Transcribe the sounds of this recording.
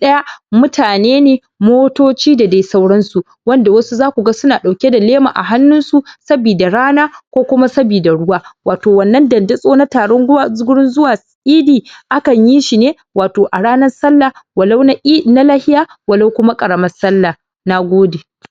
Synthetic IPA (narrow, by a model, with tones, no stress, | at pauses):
ɗɐ˦ja˦mʊ˦tʰaː˨neː˦neː˨ | moː˦toː˦t͡ʃiː˦da˨da˨˦jsa˦wɽɐ˦nsu˨ | wɐ˦nda˨wɐ˦su˦zaː˦kʷu˨ɡa˦sʊ˦naː˨ɗa˨wkʲe˦da˨leː˦ma̰ː˨ʔa̰˨ɦa˦nːʊ˦nsu˨sɐ˦biː˨da˨ɽaː˦naː˦kʷoː˦kʷʊ˦ma˦sɐ˦biː˨da˨ɽʊ˦waː˦waː˨toː˨wɐ˨nːɐ˦ndɐ˨nda˦sʼoː˦na˦taː˨ɽɔ˦ŋɡʷwa˦˨zɡʊ˦ɽɪ˦nzʊ˦waː˨ | ʔiː˦diː˨ʔa˦kɐ˨ɲji˦ʃi˨neː˦ | waː˨toː˨ʔa˨ɽaː˦nɐ˦rsɐ˦lːa˨wɐ˨la˦wna˦ʔi˦˨na˦laː˦hɪ˦jaː˦ | wɐ˨lo˦wkʷʊ˦ma˦kʼɐ˨ɽɐ˨mɐ˦rsɐ˦lːa˨ | na˦ɡʷoː˦de˨